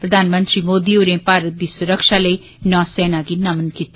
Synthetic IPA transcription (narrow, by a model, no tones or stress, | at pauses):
pɾəd̪ʱaːnmə̃nt̪ɾiːmoːd̪iːʊɾẽːpaːɾət̪̚d̪iːsʊɾəkʃaːləiː | nɔ̃ːsɛːnaːɡiːnəmənkiːt̪a